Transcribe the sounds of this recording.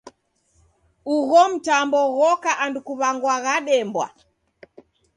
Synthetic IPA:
uɣɔm̩tambɔɣɔkaʔandukuβaŋɡwaɣaɗɛmbwa̰

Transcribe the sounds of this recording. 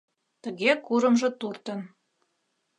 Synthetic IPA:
t̪ə̆ɣekuɾə̆mʒɤ̆t̪urt̪ə̆n

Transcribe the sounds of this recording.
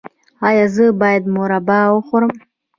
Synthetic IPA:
ajazɨbajd̪moɾabawaχʷʊɾɨm

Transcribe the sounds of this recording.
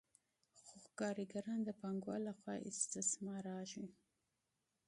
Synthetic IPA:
xʊxkɑɾiɡaɾɑnd̪əpaŋɡwɑ̰laxwɑ̰ʔɪ̰st̪ɪsmɑɾɑʒwi

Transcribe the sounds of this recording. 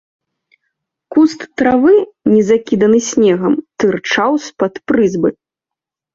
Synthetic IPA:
kust̪ːɾavɨnʲɛzakʲid̪ɐnɨsʲnʲɛɣɐmt̪ɨrt͡ʂawspɐt̪pɾɨzbɐj

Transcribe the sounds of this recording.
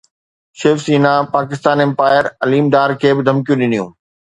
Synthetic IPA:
ʃeːfsiːnapaːkɪst̪aːnɛ̃mpaːɪəɾɐliːmɖaːɾkʰeːbɪd̪ʱɐmkijũɗɪnijũː

